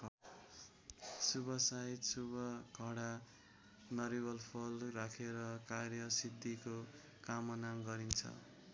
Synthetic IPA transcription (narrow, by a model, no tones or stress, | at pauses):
subʌsait̪subʌɡʱʌɽa | nʌɾibʌlpʰolrakʰeɾʌkarjʌsid̪ʱːiko | kamʌnamɡʌɾint͡sʰʌ̰